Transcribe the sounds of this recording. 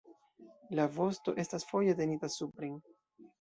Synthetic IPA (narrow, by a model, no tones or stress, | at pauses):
lavo̞sto̞̰ʔe̞stasfo̞je̞te̞nitasupɾeŋ